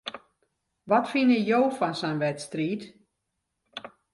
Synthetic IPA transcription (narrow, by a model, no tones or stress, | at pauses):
ʋɔtfinəjoːfɔnsɛnʋɛtstriːt